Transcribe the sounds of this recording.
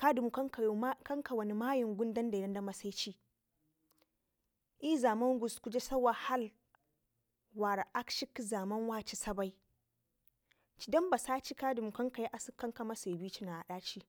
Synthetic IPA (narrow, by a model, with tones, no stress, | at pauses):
ka˦du˨mu˨kkɐ˦ŋka˨wɐ˨ni˨maː˦jɪ˨ŋɡʷʊ˦ndɐ˦nda˨˦ɐ˦ndɐ˦ma˨sa˦t͡ʃiː˦ | ʔiː˦zaː˨mɐ˦ŋɡʷʊ˨skʷu˦d͡ʒe˦sɐ˦wa˨ha˦l | waː˨ɾa˨ʔa˦kʃɪ˦kzaː˨mɐ˦nwaː˦t͡ʃi˦sɐ˦ba˨˦j | t͡ʃi˦dɐ˦mba˨saː˦t͡ʃi˦kaː˦du˨mu˨kɐ˦ŋka˨ji˦ʔa˨si˦kːɐ˦ŋka˨ma˦se˨biː˦t͡ʃi˦na˨ʔa˨ɗaː˦t͡ʃiː˦